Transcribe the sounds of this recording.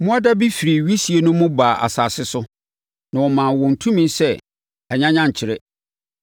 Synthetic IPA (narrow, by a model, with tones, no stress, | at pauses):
mʊ̃˦a˦da˦bi˦fi˨ɾi˨ɥi˦si˨˦e˨˦nʊ̃˦mʊ̃˦baː˨ʔa̰˨sa˨sɪ˦sʊ˦ | nã˨wɔ˨mã˨wɔ̃˨n̩˨tʰũ˦mĩ˦nsɛ˦ | ɛ˨ɲã˦ɲã˦ɲ˨t͡ɕʰɪ˨ɾɪ˦